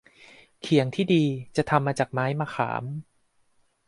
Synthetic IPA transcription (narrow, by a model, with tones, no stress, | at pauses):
kʰi˨˩˦əŋt̪ʰiː˥˩diː˧t͡ɕa˨˩t̪ʰa˧mːaː˧t͡ɕaː˨˩k̚maː˦˥jmaː˧xʰa̰ː˩˦m